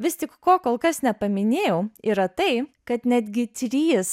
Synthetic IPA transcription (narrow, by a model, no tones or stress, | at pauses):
ʋʲɪst̪ʲɪkkoːkoːlˠkɐsnʲɛpɐmʲɪnʲeːjɛʊiːɾɐt̪ɐɪkɐt̪nʲæd̪ʲɡʲɪt̪ʲɾʲiːs